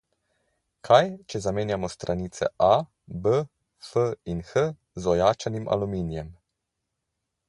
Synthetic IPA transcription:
kʰajt͡ʃɛzameːnjamɔst̪ɾʔaniːt̪sɛ̰ʔa | bə | fəinxə | zɔjaːt͡ʃanimʔa̰lumiːnjɛm

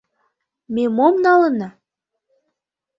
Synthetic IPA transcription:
memomnɑlənɑ

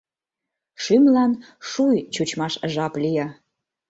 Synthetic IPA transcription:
ʃymlɑn | ʃujt͡ɕut͡ɕmɑʃʒɑplijɑ

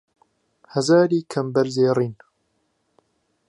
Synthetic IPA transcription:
hɐzaːɾiːkʰɐmbɐɾzeːrˤiːn

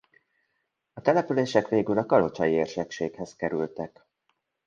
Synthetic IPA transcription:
ɒt̪ɛlɛpyleːʃɛkʋeːɡylɒkɒlo̞t͡ʃɒjieːrʃɛkʃeːkhɛzkɛɾylt̪ɛk

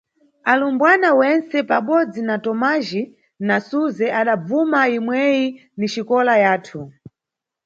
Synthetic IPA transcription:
alumbwanawɛnsɛpaɓɔd͡zinatɔmaʒi | nasuzɛʔaɗab͡vumaimwɛji | niʃikɔlajaːtʰu

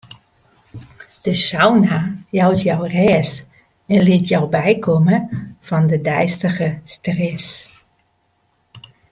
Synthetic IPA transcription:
d̥əsawnajɔwtʰjɔwrɛːs | ɛnlɪətʰjɔwbɛjkʰoməfɔndədɛjstəɣəstrɛs

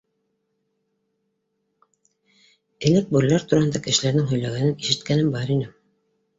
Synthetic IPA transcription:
ɘ̆læk̚buɾlæɾt̪uɾɑhɤnd̪ɑkɘ̆ʃɘ̆læɾnɘŋɦɵ̆jlæɡænɘniʃɘ̆t̪kænɘmbɑɾinɘ

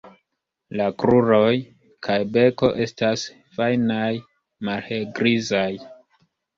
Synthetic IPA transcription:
lakɾuɾo̞j | kʰajbe̞ko̞ʔe̞stas | fajnaj | malheɡɾizaj

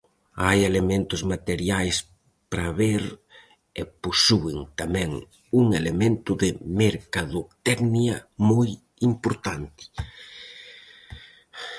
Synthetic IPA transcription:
ajelemẽnt̪ʊzmat̪eɾjajs | pɾaβeɾ | eposuɪŋt̪amɛ̃ŋ | uŋelemẽnt̪ʊðɪmeɾkaðʊt̪ɛɡniɐmoj | impoɾt̪ant̪ɪ̥

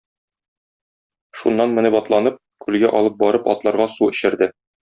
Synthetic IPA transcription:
ʃunːɑnmɘ̆nɘbɒt̪lˠɑnɤp̚kʉlɡæʔɒlˠɤp̚bɒɾɤpɒ̰t̪lˠɑɾʁɑsuɘ̆ɕɘ̆ɾd̪ɘ

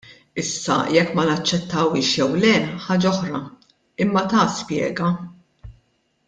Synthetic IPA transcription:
ɪsːɐ̰jɛkːmɐnɐt͡ʃːɛt̪ːɐwɪːʃjɛwlɛħɐːd͡ʒɐɔħɾɐ | ɪmːɐt̪ɐːspjɛ̰ːɡɐ

